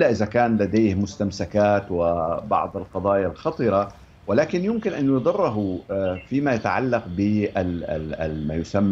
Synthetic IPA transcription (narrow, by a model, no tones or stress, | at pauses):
lːaʔɪðakaːnlad̪eːhmʊst̪amsakaːt̪wɪbɑ̰ʕd̪ˤɪlqɑd̪ˤɑːjalxɑt̪ˤɨɾˤɑ | wɪlaːkɪnjʊmkɪnʔanjʊd̪ˤɨrˤːɑɦufiːmajat̪aʕa̰lːɑqbɪʔa̰ | maːjʊsamː